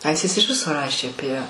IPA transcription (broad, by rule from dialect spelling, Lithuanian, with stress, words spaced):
ˈɐɪsʲtʲɪs ɪʃ ˈʋʲɪsoː ˈrɑːʃʲeː ɐˈpʲiɛ